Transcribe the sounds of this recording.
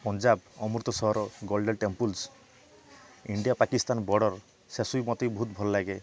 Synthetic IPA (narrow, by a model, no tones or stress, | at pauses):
pɔnd͡ʒabɔmuɾt̪ɔsɔɦɔɾɔɡɔlɖelʈempuls | iɳɖiapakist̪anbɔɖɔɾ | sesujmɔt̪ejbɔɦut̪bʱɔlɔlaɡe